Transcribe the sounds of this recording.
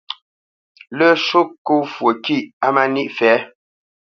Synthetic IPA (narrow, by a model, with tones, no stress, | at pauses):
lə˦˨ʃu˦kːo˦˨fwo˨ki˦˨ʔa˦ma˦ni˦ʔfɛ˨˦